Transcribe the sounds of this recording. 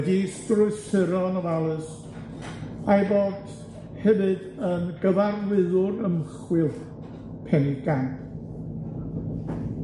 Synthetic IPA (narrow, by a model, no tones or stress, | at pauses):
disdrʊɨsɨɾɔnɔvalˠɨs | ajboːd̥ | hɛvɨd | ənɡəvarðɪðʊrəmχwɪlˠ | pʰɛniɡ̥amp